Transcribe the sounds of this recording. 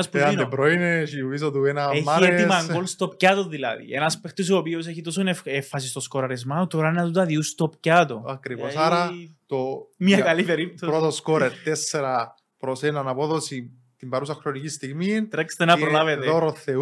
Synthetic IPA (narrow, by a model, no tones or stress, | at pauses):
ɐspɐnebɾoineʃivis̬ot̪uenɐemːɐɾeet̪imɐŋɡolst̪op̚cɐt̪oðilɐ̰ðḭenɐspext̪os̬oːpios̬eçit̪o̞s̬onefefːɐs̬ist̪o̞skoɾɐɾezmɐt̪oɾɐenɐt̪ut̪ɐðiust̪opcɐt̪oɐkɾivosaɾɐt̪omɲɐkɐlipeɾip̚t̪opɾot̪oskoɾeɾt̪esːeɾɐ | pɾosenɐnɐpo̞ðosi | t̪imbɐɾusɐxɾonicist̪iɣmit̪ɾekst̪enɐpɾolɐvet̪oɾoθe